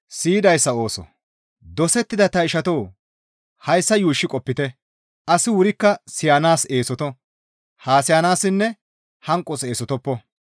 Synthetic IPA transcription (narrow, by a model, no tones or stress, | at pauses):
siːd̪ɐjsːɐo̞ːsɔ̰ | d̪ɔsɛt̪ːɪd̪ɐt̪ɐɪʃɐt̪oː | hɐjsːɐjuːʃːɪkʼɔpːɪt̪ɛ | ʔɐsɪwʊɾɪkːɐsɪjaːnaːse̞ːsɔt̪ɔ | haːsɪjaːnaːsɪnːɛ | hɐŋkʼːɔse̞ːsɔt̪ɔpːɔ